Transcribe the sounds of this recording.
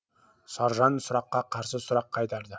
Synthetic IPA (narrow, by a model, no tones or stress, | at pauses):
sɑɾʒɑnsʊɾɑqːɑqʰɑɾsəsʊɾɑqʰːɑjt̪ɑɾd̪ə